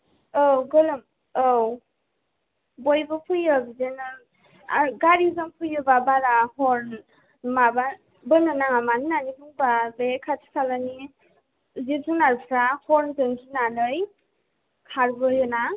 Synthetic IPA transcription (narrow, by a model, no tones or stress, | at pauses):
owɡɯlɯm | ow | bojbɯpʰujɯbzenɯ | aɡaɾizaŋpʰujɯbabaɾahɔɾn | maba | bɯnɯnaŋamanɯnanibuŋbabekʰatʰi̥sʰalani | zizunaɾpʰɾahɔɾntɯŋkʰinanɯj | kʰaɾbɯjɯna